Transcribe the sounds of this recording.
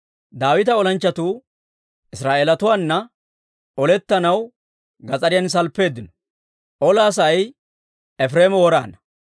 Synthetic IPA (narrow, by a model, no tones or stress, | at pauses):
d̪aːwɪt̪ɐɔlɐnt͡ʃːɐt̪uː | ʔɪsɾaːʔeːlɐt̪ʊwaːnːɐ | ʔɔlɛt̪ːɐnɐw | ɡɐt͡sʼɐɾɪjɐns̬ɐlpːe̞ːd̪ːɪnɔ̥ | ʔɔlaːs̬ɐj | ɛfɾeːmɔwɔɾa̰ːnɐ